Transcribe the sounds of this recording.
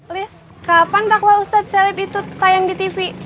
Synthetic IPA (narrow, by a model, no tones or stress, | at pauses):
lɪs | kapandaklaɾust̪at̪̚sɛlipit̪ut̪ajaŋdit̪ifi